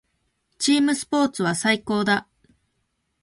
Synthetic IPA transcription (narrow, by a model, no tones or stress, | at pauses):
t͡ɕiːmɯ̟sɨ̥po̞ːt͡sɨβasaiko̞ːd̪a